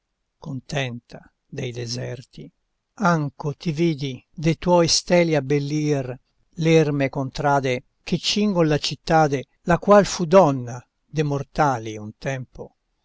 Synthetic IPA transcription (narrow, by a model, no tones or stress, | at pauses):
kont̪ɛnt̪ʰa | d̪ejd̪ezɛrt̪i | aŋkot̪iviːd̪id̪ejt̪wɔjst̪ɛːliabːelːiːr | lɛrmekont̪ɾaːd̪e | ket͡ʃːiŋɡonlat͡ʃit̪ːaːd̪e | lakwalfud̪ɔnːa | d̪emort̪aːliunt̪ɛmpo